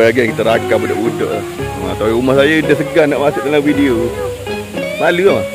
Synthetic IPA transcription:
aaɡiŋkit̪əɾakapuda̰ʔudɔ̰ʔlah | a̰t̪awumahsajədəsəɡahnaʔmasʊʔ̚dalaŋfidio | maluama

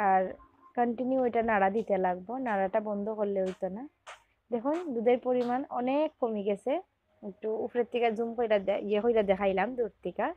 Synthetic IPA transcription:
aɹ | kɔɳʈinjuejʈanaɽad̪it̪elaɡ̚bɔnaaʈabɔnd̪ʱɔkolleɦojt̪ɔna | d̪ɛkʰɔnd̪ud̪aɾpoɾimanɔ̰nekːomiɡɛsɛ | ek̚ʈuupʰɾet̪ːikazumkojtajexojtad̪ɛkʰajlamd̪uɾt̪ika

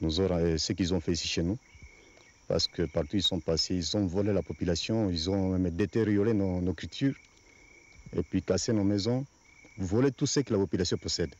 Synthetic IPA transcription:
nozɔɾ̃esəkilzɔ̃fɛisiʃenu | pa̰ʁsə̥kəpaʁt̪uilsɔ̃paseilzɔ̃volelapopylasjɔ̃ilzɔ̃mɛmd̪et̪eʁjoʁenonokylt̪ʰyʁ | ḛpɥikasenomɛzɔ̃ | volet̪usəkəlapopylasjɔ̃pɔsɛd̪

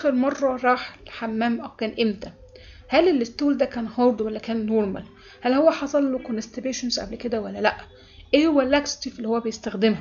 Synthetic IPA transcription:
ʔæxeɾmɑrˤːɑɾˤɑːħelħamːæːmʔæwkæːnʔemt̪æ | hælelːet̪ːuːld̪ækæːnhɑɾˤd̪ˤwælːækæːnːoɾˤmæ̰l | hælhowːæħɑsˤɑlːokonest̪ebeːʃonzʔæ̰blked̪æwælːælæʔ | ʔeːhowælːækst̪ifelːihowːæbejest̪æxd̪emhæ

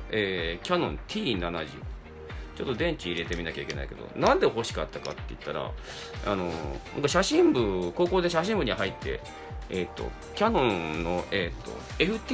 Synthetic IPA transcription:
eːkʲanõ̞nt̪ʲʰiːnanaʑḭ | t͡ɕo̞t̪ːod̪ẽ̞ɲ̟t͡ɕiːɾe̞t̪e̞mʲinakʲaike̞na̰ike̞d̪o̞̰nãnd̪eɦo̞ɕi̥kat̪ːaka̰t̪ːe̞̰i̟t̪ːaɾa̰ | a̰no̞na̰ŋkaɕaɕĩmbɯ̟ko̞ːko̞ːd̪e̞ɕaɕĩmbɯ̟ɲ̟iɦait̪ʰːe̞̰ | et̪ːo̞̰ | kʲanõ̞nno̞ʔeːt̪ːo̞̰ | e̞ɸɯ̟t̪ʲ

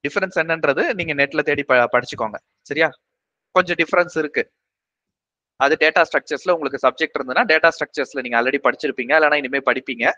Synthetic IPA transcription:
ɖɪfɐɾɛnsɛnːɛndɾɐðɯniːŋɡɐneːʈːɪlɐt̪eːɽipɐpɐɽɪt͡ʃːɯkːoːŋɡɐ | sɐɾɪjaː | kɔɲd͡ʒɐ̃ɖɪfɐɾɛnsɪɾɯkːɯ | ɐðɯɖeːʈaːsʈɾɐk̚t͡ʃɐɾsɪlɐʊŋɡɐɭɯk̬ːɯsɐb̚d͡ʒɛk̚ʈɪɾɯnd̪ɯðnːaːɖeːʈaːsʈɾɐk̚t͡ʃɐɾsɪlɐniːŋɡɐɐːlːɐɽipɐɽɪt͡ʃːɪɾɯpːiːŋɡɐɛlːɛːnaːɪnɪmeːpɐɽɪpːiːŋɡɐ

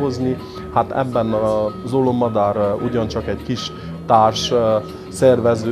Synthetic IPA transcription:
ozni | hat̪ɛ̰bːɛnɒzolomːɒd̪aːɾuɟɒnt͡ʃɒkɛɟkiʃ | t̪aːrʃ | sɛrvɛzøː

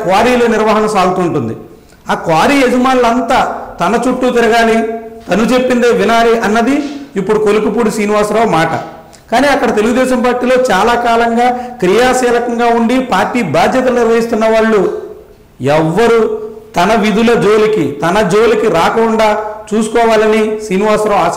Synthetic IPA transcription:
kʋaːɾiːlɐːniɾʋɐːɦɐnɐsaːɡut̪uːɳʈund̪ḭ | aːkʋaːɾiːed͡ʒɐmaːnlɐnt̪aːt̪ɐnɐt͡ʃuʈːuːt̪iɾɐɡaːlit̪ɐnut͡ʃe̞pːind̪eːʋinaːliʔɐnːɐd̪iipːuɽukolukupuɽusiːniʋaːɾsɾɐwmaːʈɐ̰ | kaːniːɐkːɐɽɐt̪e̞luɡud̪ɛːʃɐmpaːɾʈiːlo̞ːt͡ʃaːlaːkaːlɐŋɡaːkɾijaːsɛːlɐkɐŋɡaːuɳɖipaːɾʈːiːbʱaːd̪ʱjɐt̪̬ɐniɾʋɐɦist̪unːɐʋaːɭːu | ɛʋːɐɾut̪ɐnɐʋid̪ulɐd͡ʒo̞ːlikit̪ɐnɐd͡ʒoːlikiɾaːkɐkuɳɖaːt͡ʃuːsu̥kɔːʋaːlɐnisiːniʋaːɾsɾɐaː

